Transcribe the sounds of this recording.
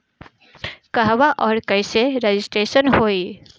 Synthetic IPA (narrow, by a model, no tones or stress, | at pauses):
kɐɦʋaʔɔːɾkəɪseɾed͡ʒɪsʈɾeːʃənɦoːi